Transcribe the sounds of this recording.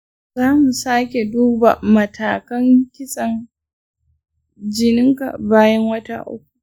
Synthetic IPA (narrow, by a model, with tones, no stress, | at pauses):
zaː˦mu˨saː˦kʲe˨duː˦ba̰˨mɐ˨tʰaː˨kɐ˦ŋkʲɪ˦sʼɐ˨ŋ | d͡ʒɪ˦nɪ˦ŋka̰˨baː˦jɐ˦ŋwɐ˦ta̰˦ʔʊ̰˦kʷu̥˨